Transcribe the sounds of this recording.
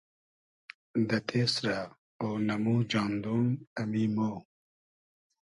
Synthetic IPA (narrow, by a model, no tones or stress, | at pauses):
d̪ɐt̪ʰeːsɾa | oːnɐmuːd͡ʑaːnd̪uːnɐmimoː